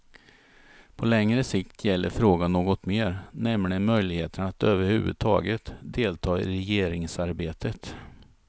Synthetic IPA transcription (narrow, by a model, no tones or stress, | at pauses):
pʰɔlɛŋɾəsɪkt̪ʰjɛlːə̰ɾfɾoːɡanːoːɡɔt̪meːɾnɛmlɪmœjlɪɡheːt̪ʰənat̪øːvəɾhʉ̟ːvɵ̰d̪̚t̪ʰɑ̰ːɡət̪d̪eːlt̪ʰɑːɪ̰ɾɛjeːɾɪŋsaɾbeːt̪ʰət̪